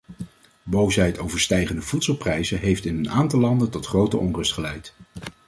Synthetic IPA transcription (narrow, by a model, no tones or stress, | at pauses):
bowsɦɛjtʰowvəɹstɛjχəndəvutsəlˠprɛjzəɦejftɪnɦənaːntɑlˠlɑndəntɔtχrowtə̰ʔɔnrɵstχəlɛjt